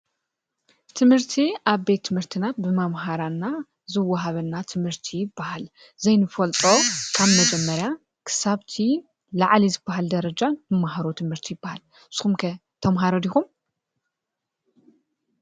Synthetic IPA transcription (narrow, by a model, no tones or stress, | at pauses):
t̪ʰɨmhɨɾt̪ʰiʔaβbe̞t̪ʰːɨmhɨɾt̪ʰinat̪̚bɨmamɦaɾanːa | zɨwːɐɦaβɐnːat̪ʰɨmhɨɾt̪ʰijɪbːahal | zɐjnɨfɐlt̪ʼo̞kʰaβmɐd͡ʒɛmːɐɾja | kʰɨ̥saβt̪ʰi | laʕlizɨbːaɦald̪ɐɾɐd͡ʒanɨmːaɦaɾot̪ʰɨmhɨɾt̪ʰijɪbːahal | sɨxumkʰɐ | t̪ʰɐmɦaɾɐd̪ixum